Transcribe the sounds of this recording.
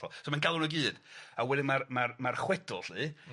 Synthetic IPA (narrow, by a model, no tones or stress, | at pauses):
ɔ̰somanɡalˠʊnəɡɨːd̥awɛdɪmarmarmarχwɛd̥ʊ̰lˠɬɨ